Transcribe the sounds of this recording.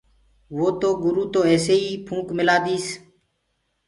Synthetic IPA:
ʋoːt̪oːɡʊɾuːt̪oːɛːseːiːpʰũːkmɪlaːd̪iːs

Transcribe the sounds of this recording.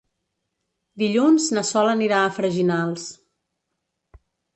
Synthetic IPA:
d̪iʎunznəsɔləniɾaːfɾəʒinalˠs

